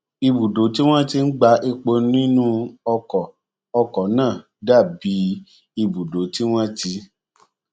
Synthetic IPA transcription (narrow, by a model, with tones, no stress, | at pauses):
i˧bu˨do˨˦ti˦w̃ɔ̃˦ti˧n̩˦ɡ͡ba˧ʔi˧k͡po˧ñ˦ĩ˦nũ˦ɔ˧kɔ˨ | ɔ˧kɔ˨˦nãː˦˨ | da˦˨bi˨˦ | i˧bu˨do˨˦ti˦w̃ɔ̃˦ti˧˦